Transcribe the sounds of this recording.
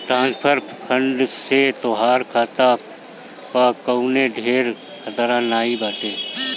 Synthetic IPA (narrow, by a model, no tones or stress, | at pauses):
ʈɾãːspʰəɾpʰə̃ɳɖset̪oːɦaːɾkʰaːt̪a | pakəuneɖʱeːɾ | kʰət̪əɾãːnaːibaːʈeː